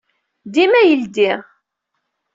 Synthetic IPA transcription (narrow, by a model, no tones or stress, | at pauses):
d̪imæjəld̪iʁ